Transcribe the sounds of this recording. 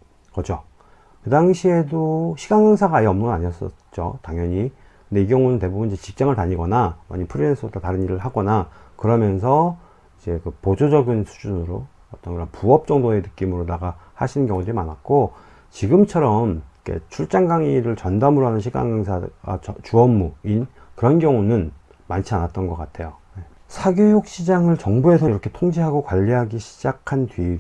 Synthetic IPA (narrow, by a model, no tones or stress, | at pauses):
kʌd͡ʑo | kɯdaŋɕʰie̞doɕʰiɡaŋeŋsʰaɡaiʌmnɯŋɡʌnaɲiʌs͈ʌ̰ | t͡ɕ͈o̰taŋjʌɲi | kɯnde̞ikjʌŋunɯnte̞bubunid͡ʑet͡ɕik̚t͡ɕ͈aŋɯɭtaɲiɡʌnama̰ɲipʰɯɾinensʰɯotataɾɯniɾɯɭhaɡʌnakɯɾʌmjʌns̬ʰʌ | id͡ʑe̞kɯpod͡ʑod͡ʑʌɡinsʰu̥d͡ʑunɯɾo | ʌt͈ʌnɡɯɾʌnpuʌp̚t͡ɕ͈ʌŋdoe̞nɯk͈imɯɾodaɡahaɕʰinɯnkjʌŋudimanat̚k͈o | t͡ɕiɡɯmt͡ɕʰʌɾʌmkʰḛt͡ɕʰuɭt͡ɕ͈aŋɡaŋiɾɯɭt͡ɕʌndamɯɾoɦanɯnɕʰiɡa̰ŋeŋsʰaa̰ʌt͡ɕuʌmːuinkɯɾʌnɡjʌŋunɯn | mant͡ɕʰianat̚t͈ʌnɡʌk͈atʰe̞jone̞ | sʰaɡjojok̚ɕ͈ʰid͡ʑaŋɯɭt͡ɕʌŋbue̞sʰʌiɾʌkʰe̞tʰoŋd͡ʑiɦaɡokwaʎːiɦaɡiɕʰid͡ʑakʰantɥi